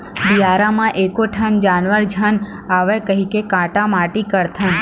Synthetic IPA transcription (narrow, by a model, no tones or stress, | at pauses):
biaɾamãʔekoʈʰənd͡ʒanʋəɾd͡ʒʱən | aʋekəɦikekãʈamaʈikəɾt̪ʰən